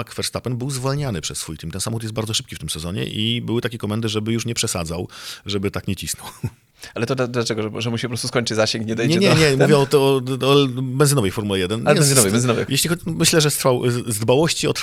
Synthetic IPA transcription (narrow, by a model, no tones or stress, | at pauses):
akfɛɾst̪apɛnbɘwzvɔlɲanɘpʂɛsːfujt̪imt̪ɛnsamxɔt̪̬jɛst̪̚baɾd̪ɔʂɘ̥p̚kʲift̪ɘmsɛzɔɲɛ̰ʔibɘwɘt̪akʲɛkɔmɛnd̪ɘʐɛbɘjuʂɲɛpʂɛsa̰d̪zawʐɛbɘt̪akɲɛt͡ɕisnɔw | alɛt̪ɔd̪ad̪lat͡ʂɛɡɔʐɛʐɛmuɕipɾɔst̪uskɔɲt͡ʂɘzaɕeŋkɲɛd̪ɛjɲɛɲɛɲɛmuvjɛɔt̪ɔ | bɛnzɘnɔvɛjfɔɾmulɛjɛd̪ɛnɛɛnzɨɔvɛjbɛnzɨnɔvɛ̰jjɛɕlʲixɔmɘɕlɛʐɛst̪ɾfawzd̪bawɔɕt͡ɕiɔ̰t̪